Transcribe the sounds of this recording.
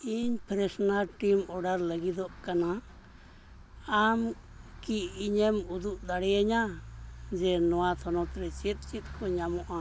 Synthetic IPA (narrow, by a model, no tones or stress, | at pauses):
iɲpɾesonalʈimoɽaɾlaɡid̪okanã | am | kiːɲemud̪uʔd̪aɽeɲãnd͡ʒenõat̪ʰonõt̪ɾet͡ʃit̪t͡ʃit̪kʰoɲãmũʔã